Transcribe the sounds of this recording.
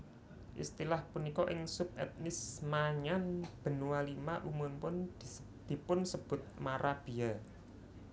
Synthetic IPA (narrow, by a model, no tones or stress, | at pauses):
ʔḭst̪ilahpunikɔʔɪŋsʊp̚ɛ̰t̪̚nɪsmaɲanb̥ə̤nuwalimaʔumʊnpʊn | d̪̥i̤pʊnsəb̥ʊ̤t̪̚maɾab̥i̤a